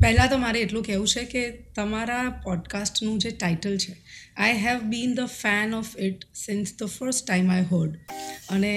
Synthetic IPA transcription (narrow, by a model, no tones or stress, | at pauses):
pɛɦlãt̪omaɾeːʈlõkɛɦũt͡ʃʰeket̪əmaɾapɔɖkasʈnũd͡ʒeʈajʈəlt͡ʃʰe | ajɦɛʋbĩnd̪əfæ̃nɔfɪʈsɪ̃nsd̪əfəɾsʈːãɪ̃majɦəɾɖəne